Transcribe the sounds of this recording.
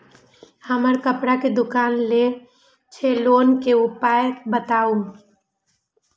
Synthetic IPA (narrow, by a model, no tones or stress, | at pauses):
həməɾkəpɽaked̪ʊkaːnle | t͡ʃʰeloːnkeʊpaːjəbət̪aːu